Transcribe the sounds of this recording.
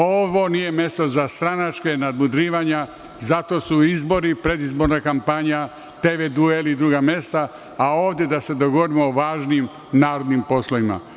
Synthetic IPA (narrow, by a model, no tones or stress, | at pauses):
o̞ʋo̞nije̞me̞st̪o̞zast̪ɾanat͡ʃkenad̪mud̪ɾiːʋaɲa | zat̪o̞ːsuizbo̞ɾipɾe̞d̪izbo̞ɾnakampaɲa | t̪eʋed̪uelid̪ɾuːɡame̞st̪a | ao̞ːʋd̪je̞d̪ase̞d̪o̞ɡoʋoɾimoːʋaːʒniːm | naːɾo̞d̪nimpo̞slˠoʋima̰